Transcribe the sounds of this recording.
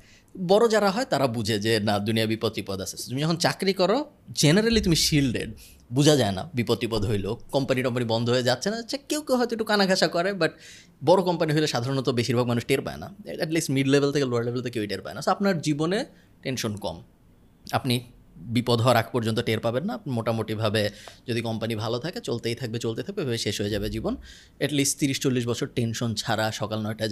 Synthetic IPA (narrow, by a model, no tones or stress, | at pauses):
bɔɾod͡ʑaɾaɦɔet̪aɾabud͡ʑʱed͡ʑenad̪uniabipot̪ːɾipɔd̪at͡ɕʰe̥t̪umid͡ʑɔkʰont͡ɕakɾikɔɾod͡ʑeneɾalit̪umiʃilɖḛɖ | bud͡ʑʱad͡ʑaena̰bipot̪ːɾipɔd̪ɦojlokɔmpanikɔmp̬anibɔnd̪ʱoɦoed͡ʑatːɕʰenaat͡ɕʰakewkewɦɔet̪oek̚ʈukanaɡʱaʃakɔɾebaʈ̚ | bɔɾokɔmpaniɦojleʃad̪ʱaɾonot̪obeʃiɾbʱaɡ̚manuʃʈeɾpa̰ḛna̰ɛʈlisʈmiɖlebʱelt̪ʰekeloaɖlebʱelt̪ʰekeiʈeɾpa̰enasoapnaɾd͡ʑibone | ʈenʃonkɔ̰m | apni | bipod̪ʱɦɔaɾakʰpɔɾd͡ʑont̪oʈeɾpabenːapnimoʈamoʈibʱabed͡ʑod̪ikɔmpanibʱalot̪ʰaket͡ɕolt̪ejt̪ʰak̚bet͡ɕolt̪et̪ʰak̚bebʱabeʃeʃɦoed͡ʑabed͡ʑibon | ɛʈlisʈt̪iɾiʃt͡ɕolːiʃ̬bɔt͡ɕʰoɾʈenʃont͡ɕʰaɾaʃɔkalnɔjʈa